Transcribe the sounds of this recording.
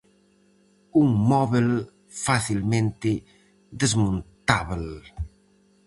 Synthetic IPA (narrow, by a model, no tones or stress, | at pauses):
uŋmɔβel | faθilmẽnt̪ɪ | ðezmõnt̪aβl